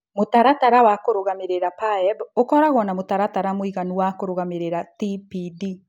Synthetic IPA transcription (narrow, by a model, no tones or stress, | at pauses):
motaɾataɾawakoɾoɣameɾeɾapaɛbokɔɾaɣɔnamotaɾataɾamoiɣanuwakoɾoɣameɾeɾatipidi